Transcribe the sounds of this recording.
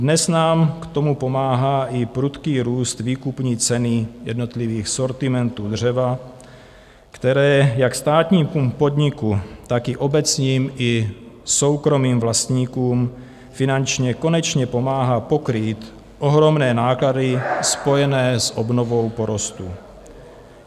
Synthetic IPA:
dnɛsnaːmkt̪o̞mupo̞maːɦaːʔɪpɾut̪kiːɾuːst̪viːkupɲiːt͡sɛnɪjɛ̰dnot̪liviːxso̞ɾt̪ɪmɛnt̪uːd̪r̝ɛva | kt̪ɛɾɛːjakst̪aːt̪ɲiːmpumpo̞d̪ɲɪkut̪akɪʔo̞bɛt͡sɲiːmʔɪso̞wkɾo̞miːmvlast̪ɲiːkuːm | fɪnant͡ʃɲɛko̞nɛt͡ʃɲɛpo̞maːɦaːpo̞kɾiːt̪ | ʔoɦɾo̞mnɛːnaːkladɪspo̞jɛnɛːsʔobnovo̞wpoɾost̪u

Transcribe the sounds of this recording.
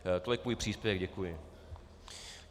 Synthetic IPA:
t̪olɪkmuːjpr̝̥iːspjɛvɛɡɟɛkujɪ

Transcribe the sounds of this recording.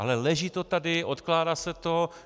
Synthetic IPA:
a̰lɛlɛʒit̪ot̪adɪʔot̪klaːdaːsɛt̪o

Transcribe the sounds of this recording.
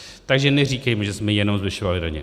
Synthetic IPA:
t̪aɡʒɛnɛriːkɛjmɛʒɛsmɛjɛnomzvɪʃovalɪdaɲɛ̰

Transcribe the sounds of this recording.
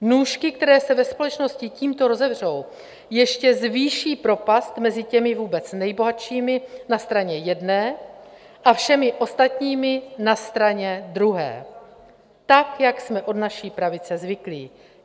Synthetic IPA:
nuːʃkɪk̚t̪ɛɾɛːsɛvɛspo̞lɛt͡ʃno̞scɪciːmt̪o̞ɾo̞zɛvr̝o̞w | jɛʃcɛzviːʃiːpɾo̞past̪mɛzɪcɛmɪvuːbɛt͡snɛjbo̞ɦat̪ʃiːmɪnast̪ɾaɲɛjɛdnɛː | ʔafʃɛmɪʔo̞st̪at̪ɲiːmɪnast̪ɾaɲɛd̪ɾuɦɛ̰ː | t̪akjaksmɛʔo̞dnaʃiːpɾavɪt͡sɛzvɪklḭː

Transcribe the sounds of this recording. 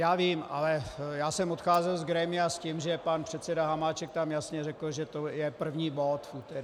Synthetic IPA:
jaːviːmʔa̰lɛjaːsɛmot̪xaːzɛlzɡɾɛmɪascimʒɛpanpr̝̥ɛt̪sɛdaɦamaːt͡ʃɛk̚t̪amjasɲɛrɛkl̩ʒɛt̪ojɛpr̩vɲiːbot̪fut̪ɛɾ

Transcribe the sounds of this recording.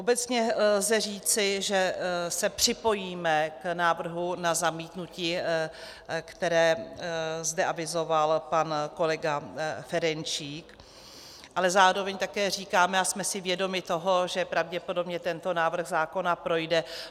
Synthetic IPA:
ʔobɛt͡sɲɛllzɛr̝iːt͡sɪʒɛsɛpr̥ɪpo̞jiːmɛknaːvr̩ɦunazamiːt̪nuciː | kt̪ɛɾɛː | zdɛʔavɪzo̞valpanko̞lɛɡafɛɾɛnt͡ʃiːk | ʔalɛzaːɾo̞vɛɲt̪akɛːr̝iːkaːmɛasmɛsɪvjɛdo̞mɪt̪o̞ɦo̞ʒɛpɾavɟɛpo̞do̞bɲɛt̪ɛnt̪o̞naːvr̩ɣzaːko̞napɾo̞jdɛ

